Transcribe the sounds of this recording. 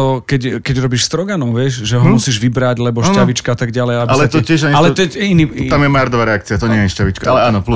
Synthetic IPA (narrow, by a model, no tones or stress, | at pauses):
ɔkɛɟkɛɟɾɔbiʃst̪ɾɔɡanɔʊʋɪɛʒʒɛɦɔmusiːʒʋibɾaɟlɛbɔʃtaʋit͡ʃkaat̪aɡɟalɛjabilɛt̪ɔcɪɛʒaɲalɛt̪ɔɛinit̪amjɛmaaɾd̪ɔʋaɾɛakt͡siat̪ɔɲɪɛjɛʃcaʋit͡ʃkaʔalɛaːnɔplu